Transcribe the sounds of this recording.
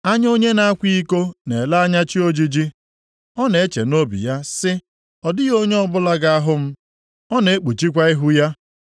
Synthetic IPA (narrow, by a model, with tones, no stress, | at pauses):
a˦ɲ˦o˦ɲe˦na˦a˦kʷi˦i˦ko˦ne˨la˦a˦ɲa˦t͡ʃi˦o˦d͡ʒi˦d͡ʒi˦ | ɔ˦ne˨e˦t͡ʃḛ˨no˦bḭ˨ja˦sɪ˦ | ɔ˨dɪ˦ɣo˦ɲe˦ɔ˦bʊ˦la˦ɡa˦a˦ɦʊ˦m̩˦ | ɔ˦ne˨e˦k͡pu˨t͡ʃi˦kʷa˦ɪ˦ɦu˦ja˦